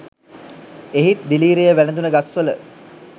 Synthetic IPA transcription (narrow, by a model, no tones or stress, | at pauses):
eɦit̪̚d̪iliːɾejəʋænəd̪unəɡasʋələ